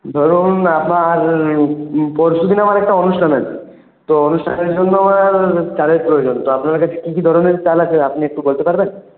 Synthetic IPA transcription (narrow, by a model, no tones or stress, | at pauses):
d̪ʱɔɾunapnaɾ | pɔɾʃud̪ʱinamaɾɛk̚ʈaonuʃʈʰanat͡ɕʰi | t̪oonuʃʈʰa̰neɾd͡ʑonːoamaɾt͡ɕaɾeɾpɾojod͡ʑont̪oapnaɾkat͡ɕʰe̥kikid̪ʱɔɾoneɾt͡ɕalat͡ɕʰeapniɛk̚ʈubolt̪epaɾben